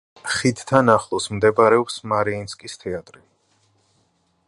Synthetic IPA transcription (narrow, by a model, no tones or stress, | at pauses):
χid̪t̪ʰanaχlˠɔsmd̪ɛbaɾɛɔpsmaɾiinskʼist̪ʰɛat̪ʼɾi